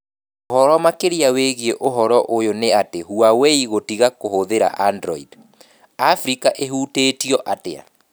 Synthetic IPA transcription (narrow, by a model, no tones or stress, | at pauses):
oɦɔɾɔmakeɾiaweɣieʔoɦɔɾɔʔojoneateɦuaweiɣotiɣakoɦoðeɾa̰ʔandɾɔid | afɾikaʔeɦuːteːtiɔʔatea̰